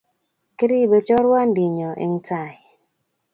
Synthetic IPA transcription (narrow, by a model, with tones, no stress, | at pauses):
ki˦ɾi˦˨be˨t͡ʃɔ˦ɾwa˦n˦di˨ɲɔ˨ʔḛ˨ŋ˦ta˦˨j